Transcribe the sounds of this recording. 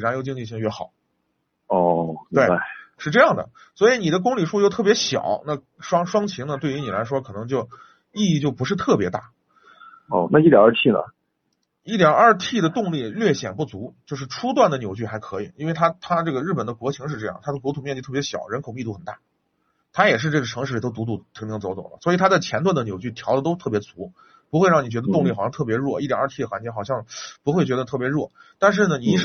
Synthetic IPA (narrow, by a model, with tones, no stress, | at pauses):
ɻjo˧˥ʊt͡ɕi˥˧ŋt͡ɕi˧ɕ̬i˥˧ŋɥɛ˥˩xɑ˨˩˦ | ɔ˥˩˧we˥˩ɪa˥˩ʂɻ̩˥˧ʈ͡ʂɤ˥˧jɑ˥˩ŋd̪ə̰˩ | swɔ˧˥i˧˥ni˨˩d̪ə˦k̬ʊ˥ŋli˨˩ʂu˥t͡ɕjo˥˧ʊt̪ʰɤ˥˩pjɛ˧˥ɕjɑ̰˨˩˦ʊna˥˩ | ʂwɑ˥ŋʂwɑ˥ŋt͡ɕʰi˧˥ŋnə˧t̪we˥˩ɪy˧˥ni˨˩la˧˥ɪʂ̬wɔ˥kʰɤ˨˩nɤ˧˥ŋt͡ɕjo˥˧ʊ | i˥˧i˥˧t͡ɕjo˥˩ʊpu˧˥ʂ̬ɻ̩˥˧t̪ʰɤ˥˩pjɛ˧˥t̪a˥˩ | ɔ̰˥˧˩na˥˧i˥˩jɑ̰˨˩a˥˧t̪ʰi˥˩nə̰˩ | i˥˩t̪jɑ˨˩ɐ˞˥˧t̪ʰi˥˩d̪ə˩t̪ʊ˥˧ŋli˥˩lɥɛ˥˩ɕjɛ̰˨˩npu˥˩t͡su˧˥t͡ɕjo˥˧ʊʂ̬ɻ̩˥˩ʈ͡ʂʰu˥t̪̬wa˥˩nd̪ə˩njo˨˩ʊt͡ɕy˥˩xa˧˥ɪkʰɤ˧˥i˨˩i˥nwe˥˩ɪt̪ʰa˥t̪ʰa˥ʈ͡ʂɤ˥˩ɡə˩ɻ̩˥˩pə˨˩nd̪ə˦kwɔ˧˥t͡ɕʰi˧˥ŋʂɻ̩˥˧ʈ͡ʂɤ˥˧jɑ̰˥˩ŋt̪ʰa˥d̪ə˨kwɔ˧˥t̪ʰu˨˩mjɛ˥˧t͡ɕi˥˧t̪ʰɤ˥˩jɛ˧˥ɕjɑ˨˩ʊɻə˧˥nkʰo˨˩ʊmi˥˧t̪u˥˩xə˨˩nt̪a̰˥˩ | t̪ʰa˥jɛ˨˩ʂ̬ɻ̩˧ʈ͡ʂɤ˥˩ɡə˩ʈ͡ʂʰɤ˧˥ŋʂɻ̩˥˩˧t̪o˥ʊt̪u˧˥t̪u˧˥˩t̪ʰi˧˥ŋt̪i˧˥ŋt͡so˧˥ʊt͡swɔ˨˩˦lə̰˦swɔ˧˥i˨˩t̪ʰa˥t͡sa˥˩ɪt͡ɕʰjɛ˧˥nt̪wa˥˩nd̪ə˩njo˨˩ʊt͡ɕy˥˩t̪ʰjɑ˧˥ʊə˧t̪̬o˥ʊt̪ʰɤ˥˩pjɛ˧˥t͡su˧˥ | pu˧˥xwe˥˧ɻɑ˥˩ŋni˨˩t͡ɕɥɛ˧˥d̪ə˧t̪ʊ˥˧ŋli˥˩˨ɕɑ˥˧t̪ʰpjɛ˧˥ɻwɔ˥˩i˥˩t̪jɑ̰˨˩ɐ˞˥˧t̪ʰi˥˩d̪ə˩wa˧˥nt͡ɕjɛ˧˥xɑ˨˩ʊɕjɑ˥˧ŋpu˧˥xwe˥˩ɪt͡ɕɥɛ˧˥d̪ə˧t̪ʰɤ˥˩pjɛ˧˥ɻwɔ˥˩ | t̪a˥˧nʂ̬ɻ̩˥˩nə˩ni˨˩˥